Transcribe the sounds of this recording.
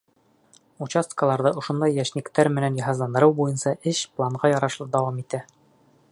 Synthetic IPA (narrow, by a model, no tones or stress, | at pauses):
ut͡ɕast̪kəlˠɑɾðɤʔŏʃŏnd̪ɑjːæʃnikt̪æɾmɘ̆nænjɑɦɑzlˠɑnd̪ɤ̆ɾɤwbujɤnsɑʔɘʃplˠɑɴʁɑjɑɾɑʃlˠɤd̪ɑwɑmit̪æ